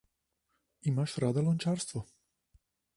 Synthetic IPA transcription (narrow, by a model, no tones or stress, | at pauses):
imaʃɾad̪alɔnt͡ʃaɾst̪vɔ